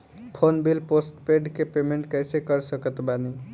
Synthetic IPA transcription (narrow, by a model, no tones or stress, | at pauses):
pʰonbilposʈpeɖkepemeɳʈkəjsekəɾsəkət̪bani